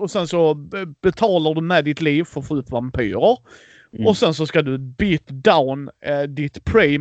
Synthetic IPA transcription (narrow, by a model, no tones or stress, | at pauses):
ɔsɛnsɔbɛt̪ʰɑːlaɖ̪ɵmɛd̪ɪt̪liːvfɔɾfɔʉt̪vampʰy̰ːɾəɾ | ɔsɛns̬ɔskad̪ɵbyːt̪d̪aʊnd̪ɪt̪pʰɾiː